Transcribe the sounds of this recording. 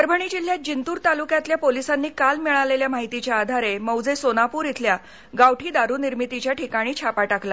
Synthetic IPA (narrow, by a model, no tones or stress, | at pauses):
əɾbʱəɳid͡ʑil̤ːjad͡ʑint̪uːɾt̪alukjat̪ljapolisanːiːkalmiɭaleljamaɦit̪it͡ɕjaːd̪ʱaɾeməwd͡zesonapuːɾjit̪ʰlja | ɡawʈʰiːd̪aɾuːniɾmit̪it͡ɕjaʈʰikaɽ̃iːt͡ɕʰapaʈakla